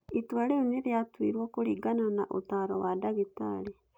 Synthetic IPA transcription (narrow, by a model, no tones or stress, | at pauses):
itwaɾeuneɾjatwḭːɾwɔkoɾiɡananaʔo̰taɾɔwadaɣita̰ɾi